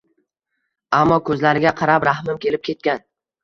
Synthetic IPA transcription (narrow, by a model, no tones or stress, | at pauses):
amːɒkʰɵzlaɾɪɡʲaqʰɑɾapɾahmɪmkʲʰe̞lɪp̚kʲʰe̞t̪̚kʲan